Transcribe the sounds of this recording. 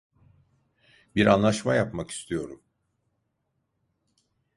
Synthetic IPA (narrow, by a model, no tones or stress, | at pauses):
biɾanlˠaʃmajapmaki̥st̪ʰijo̞ɾum